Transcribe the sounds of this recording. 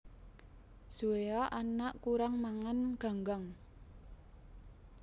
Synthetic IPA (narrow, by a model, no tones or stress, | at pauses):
suweaʔanaʔkuɾaŋmaŋanɡ̥a̤ŋɡaŋ